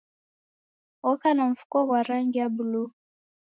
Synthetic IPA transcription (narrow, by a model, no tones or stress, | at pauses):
ɔkanam̩fu̥kɔwaɾaŋɡijabulu